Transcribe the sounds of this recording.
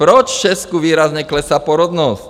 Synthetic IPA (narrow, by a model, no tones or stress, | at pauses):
pɾɔt͡ʃft͡ʃɛskuʋiːɾazɲɛklɛsapɔɾɔd̪nɔsc